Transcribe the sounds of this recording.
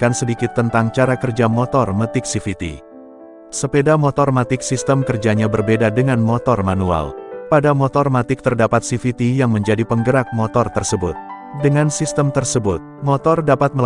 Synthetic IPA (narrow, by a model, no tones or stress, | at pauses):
kansədikɪt̪ːənt̪aŋt͡ʃaɾakərd͡ʒamɔt̪ɔrmət̪ɪk̚sifit̪ḭ | səpedamɔt̪ɔrmat̪ɪk̚sist̪əmkərd͡ʒaɲabərbedadəŋanmɔt̪ɔrmanua̰lpadamɔt̪ɔrmat̪ɪk̚t̪ərdapat̪̚sifit̪ijaŋməɲd͡ʒadipəŋɡəɾak̚mɔt̪ɔrt̪ərsəbʊt̪̚ | dəŋansist̪əmt̪ərsəbʊt̪̚mɔt̪ɔrdapat̪̚məl